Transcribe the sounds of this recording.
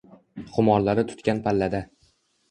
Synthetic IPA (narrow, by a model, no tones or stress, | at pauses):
χʰʊmɒɾlaɾɪt̪ʰʊ̥t̪kʲanpʰalːad̪a